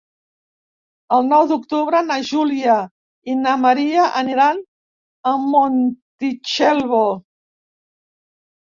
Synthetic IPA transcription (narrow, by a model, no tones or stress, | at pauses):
əlˠnɔwd̪ukt̪uβɾənaʒulia | inaməɾiaʔəniɾan | əːont̪it͡ʃelˠβo